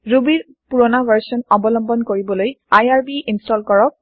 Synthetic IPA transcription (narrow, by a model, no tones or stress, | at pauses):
ɹubiɹ | puɹɔnabʱaɹsɔnɔbɔlɔmbɔnkoɹibɔlojajaɹbiʔinstɔlkɔɹɔk̚